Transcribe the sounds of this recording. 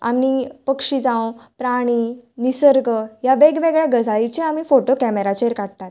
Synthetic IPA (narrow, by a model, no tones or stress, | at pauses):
a̰mnipəkʂid͡zãwpɾaɽ̃inisəɾɡəjaʋeɡʋeɡɭjaɡəd͡zʱaɭit͡ɕeamifoʈokɛmeɾat͡ɕeɾkaɽt̪at̪